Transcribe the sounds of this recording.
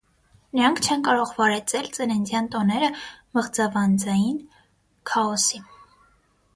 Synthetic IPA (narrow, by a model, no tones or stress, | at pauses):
nəɾɑŋkʰt͡ʃʰɛnkɑɾɔʁvɑɾɛt͡sɛlt͡sənɛnd̪jɑnt̪ɔnɛɾəməʁd͡zɑvɑnd͡zɑjin | kʰɑɔsi